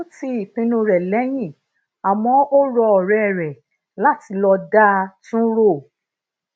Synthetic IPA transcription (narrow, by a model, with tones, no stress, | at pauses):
ti˦i˨pĩ˧nũ˧ɾɛ˨lɛ˨˦j̃ĩ˦˨ | a˨mɔ̃˧˦o˦ɾɔ˧ɔ˨ɾɛ˨ɾɛ˨ | la˦ti˧lɔ˧da˦tũ˦ɾo˦˨